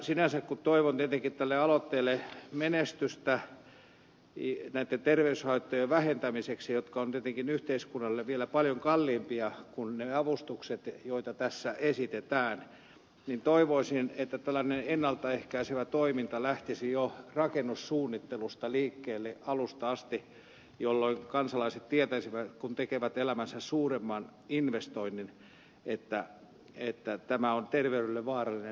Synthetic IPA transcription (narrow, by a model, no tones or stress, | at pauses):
sinænsækkut̪t̪oiʋont̪iet̪eŋkit̪t̪ælːeɑlot̪ːeːlːemenest̪yst̪æ | næit̪ːent̪erʋeyshɑit̪ːojeʋæhent̪æmiseksijot̪kɑont̪iet̪eŋkinyht̪eiskunːɑlːeʋʋielæpɑljoŋkɑlːimpiɑkunneɑʋust̪ukset̪joit̪ɑt̪æsːæʔesit̪et̪æːn | nint̪oiʋoisinet̪ːæt̪ælːænenenːɑlt̪ɑehkæiseʋæt̪oimint̪ɑlæht̪isijorɑkenːussuːnːit̪ːelust̪ɑliːkːeːlːeʔɑlust̪ɑɑst̪i | jolːoiŋkɑnsɑlɑiset̪t̪iet̪æsiʋæt̪kunt̪ekeʋæt̪elæmænsæssuːremːɑn | inʋest̪oinːin | et̪ːæ | et̪ːæt̪æmæont̪erʋeyɾelːeʋʋɑːrɑlːine